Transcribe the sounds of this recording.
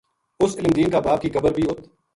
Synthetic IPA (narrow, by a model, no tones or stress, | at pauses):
ʊsɪləmd̪iːnkaːbaːb̚kiːkəbəɾbʱiːʊt̪ʰ